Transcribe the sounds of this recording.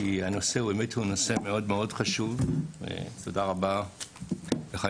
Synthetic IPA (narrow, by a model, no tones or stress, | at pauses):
iano̞se̞hueme̞thuno̞se̞me̞odmeo̞dχaʃuvvḛto̞daʁaba | beχa